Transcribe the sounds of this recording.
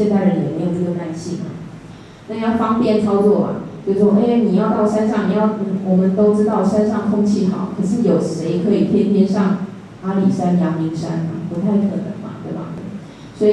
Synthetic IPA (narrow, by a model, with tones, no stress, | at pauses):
jɛ˥˧nt̪a˥˩ɪɻə˧˦njɛ˨˩me˧˥jo˨˩ə˥˩ɡə˩a˥˧˩nt͡ɕʰi˥˩ma̰˨˩ | na˥˧jɑ˥˩ʊfɑ˥ŋpjɛ˥˨˩nt͡sʰɑ˥ʊt͡swɔ˥˩ba̰˩t͡ɕjʊʂwɔ˥˧ʔe˥wni˨˩jɑ˥˧ʊt̪ɑ˥˩ʊʂa˥nʂɑ˥˩ŋni˨˩jɑ˥˩ʊ˨˩wɔ˨˩mə˨˦nt̪o˥ʊʈ͡ʂɻ̩˥t̪ɑ˥˩ʊʂa˥nʂɑ˥˩ŋkʰʊ˥ŋt͡ɕʰi˥˩t̪ʰɑ̰˨˦ʊkʰɤ˨˩ʂ̬ɻ̩˥˩jo˨˩ʊʂe˧˥ɪkʰɤ˧˥i˨˩t̪ʰjɛ˥nt̪ʰjɛ˥nʂɑ˥˩ŋ | a˥li˨˩ʂa˥njɑ˧˥ŋmi˧˥ŋʂa̰˥na̰˨pu˧˥t̪ʰa˥˩ɪkʰə˨˩nə̰˧˦ŋma̰˧˦t̪we˥˩ɪbɐ̰˩ | swɔ˧˥i˨˩